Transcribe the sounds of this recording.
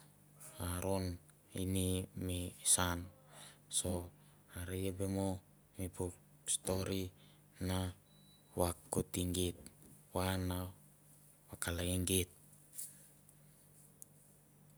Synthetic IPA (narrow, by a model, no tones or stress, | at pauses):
aɾon | ḭnimisanso | aɾiebemo | mipuk̚ | st̪oɾi | na | wakːut̪iŋɡit̪̚wana | wakalaiŋɡit̪̚